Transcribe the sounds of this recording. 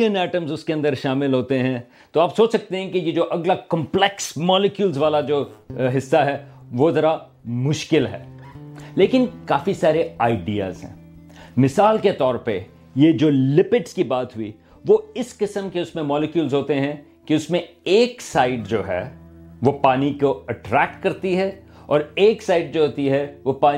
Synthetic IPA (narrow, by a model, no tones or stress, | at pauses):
ənɛːʈəmzʊskeɐ̃nd̪əɾʃaːmɪlɦoːt̪eɦɛ̃ | t̪oaːpsoːt͡ʃsɐk̚t̪eɦɛ̃kijed͡ʒoːʔɐɡlakɐ̃mplɛksmɔːlɪkjulzʋaːlad͡ʒoːɦɪsːaɦɛʋoːzɐɾa | mʊʃkɪlɦɛ̰ːleːkɪnkaːfisaːɾeaːɪɖija̰ːzɦɛ̰̃ː | mɪsaːlket̪ɔːɾpɐ | jed͡ʒoːlɪpɪʈskibaːt̪ɦʊi | ʋoɪskɪsəmkeʊsmẽmɔːlɪkjuːlzɦoːt̪eɦɛ̃ | kiʊsmẽeːksaːɪɖd͡ʒoːɦɛ̰ːʋopaːnikoɐʈɾɛːk̚ʈ̚kɐɾt̪iɦɛ | ɔːɾeːksaːɪɖ̚d͡ʒoːɦoːt̪iɦɛʋopaː